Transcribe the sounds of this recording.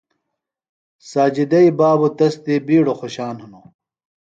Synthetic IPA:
saːd͡ʑid̪ɐibaːbot̪ɐst̪ibiːɽoxoɕaːnhuno

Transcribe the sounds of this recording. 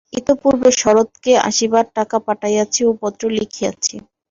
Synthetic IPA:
it̪opuɾbeʃɔɾot̪kea̰ʃibaɾʈakapaʈajjaːt͡ɕʰiopɔt̪ːɾolikʰija̰t͡ɕʰi

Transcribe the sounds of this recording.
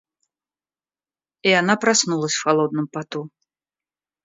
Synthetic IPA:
ijanapɾasnulˠɐsʲxalˠɔd̪̚nɨmpat̪u

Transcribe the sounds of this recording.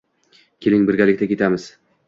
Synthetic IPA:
kʲʰelɪŋbɪɾɡʲalɪk̚ʲt̪akʲe̞t̪amɪz̥

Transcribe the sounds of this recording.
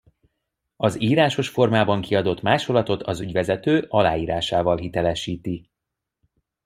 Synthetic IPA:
ɒziːɾaːʃo̞ʃfo̞rmaːbɒŋkiɒd̪o̞t̪maːʃolɒt̪o̞t̪ʰɒzyɟvɛzɛt̪øːʔɒla̰ːiːɾaːʃaːvɒlɦit̪ɛlɛʃiːt̪i

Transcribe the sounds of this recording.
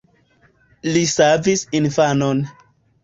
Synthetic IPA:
lisavisinfanon

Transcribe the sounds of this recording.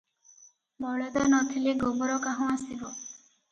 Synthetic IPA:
bɔɭɔd̪ɔnɔk̪ʰileɡobɔɾɔkaɦɔ̃asibɔ

